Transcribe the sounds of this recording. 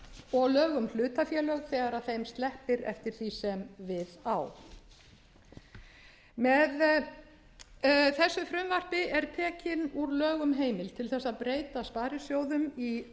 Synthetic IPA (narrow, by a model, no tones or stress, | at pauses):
ɔɣlœːɣʏml̥ʏːt̪afjɛːlœɣθɛːɣaɾaðθejmst̪lɛhpɪɾɛ̰ft̪ɪɾ̥θisɛmvɪðaw | mɛð | θɛsːʏfɾʏmvar̥pɪʔɛɾ̥t̪ʰɛːcɪnuɾlœːɣʏmɦeːjmɪlt̪ʰɪlθɛsːaðpɾeːjt̪aspaːɾɪsjoːwðʏmi